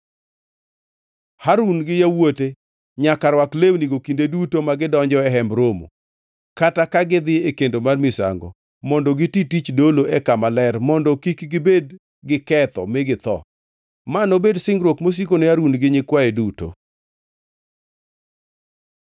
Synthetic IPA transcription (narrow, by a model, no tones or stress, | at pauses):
haɾunɡɪjawote | ɲakaɾwaklewniɡokindedutomaɡɪdɔɲd͡ʒɔɛɦɛmbɾomo̰ | katakaɡɪd̪ɪekendomarmɪsa̰ŋɡɔ̰ | mɔndɔɡɪtitit͡ʃdoloʔɛkamalɛrmɔndɔkikɡɪbed | ɡɪkɛt̪ɔ̰mɪɡɪt̪ɔ̰ | manobedsɪŋɡɾwokmos̬ikoneaɾunɡɪɲɪkwaeduto̰